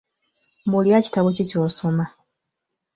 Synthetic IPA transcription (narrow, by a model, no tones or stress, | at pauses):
buljaci̥taβocicuːsoma